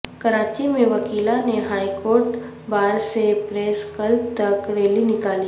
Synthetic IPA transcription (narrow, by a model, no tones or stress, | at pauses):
kɐɾaːt͡ʃimẽʋɐkiːlaneɦaːikoːɾʈ | baːɾsepɾeːskɐlb̚t̪ɐkɾeːlinɪkaːli